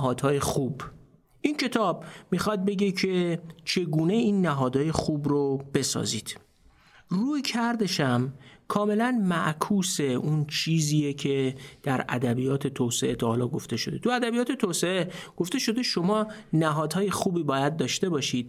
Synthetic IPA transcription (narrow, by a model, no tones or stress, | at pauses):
ɦɒːd̪̥hɒːjexub | ʔincʰe̞t̪ʰɒːbmixɒd̪̚be̞ɟecʰe̞t͡ʃʰe̞ɡuːne̞iːnːæɦɒːd̪hɒːje̞xubɾobe̞sɒ̰ːziːd̪̥ | ruːjcʰæɾd̪eʃæmkʰɒːme̞lænmæʔkʰuːse̞unt͡ʃʰiːziːjecʰe̞d̪̥æɾæ̰d̪æbijɒːt̪ʰe̞t̪ʰoːseʔe̞t̪ʰɒːhɒːlɒːɡo̞ft̪e̞ʃo̞d̪e̞t̪ʰuæd̪æbijɒːt̪ʰe̞t̪ʰoːse̞eɡ̥o̞ft̪e̞ʃo̞d̪e̞ʃo̞mɒːnæɦɒːd̪̥hɒːje̞xuːbiːbɒːjæd̪̚ːɒːʃt̪e̞bɒːʃiːd̪̥̚